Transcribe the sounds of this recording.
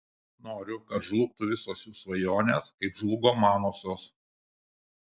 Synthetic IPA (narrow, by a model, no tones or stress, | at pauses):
noːɾʲʊkɐt̪ʒlˠʊk̚t̪ʊʋʲɪsoːsʲjuːsʋɐjoːnʲeːskɐɪpʒlˠʊɡoːmɑːnoːsʲoːs